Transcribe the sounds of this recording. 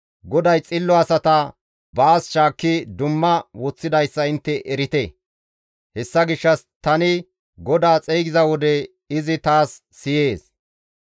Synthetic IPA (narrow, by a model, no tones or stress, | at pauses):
ɡɔd̪ɐjt͡sʼɪlːɔɐsɐt̪ɐ | baːsʃaːkːɪd̪ʊmːɐwɔt͡sːɪd̪ɐjsːɐɪnt̪ːɛʔɛɾɪt̪ɛ | hɛsːɐɡɪʃːɐst̪ɐnɪ | ɡɔd̪aːt͡sʼejɡɪzɐwɔd̪ɛ | ɪzɪt̪aːsːɪje̞ːs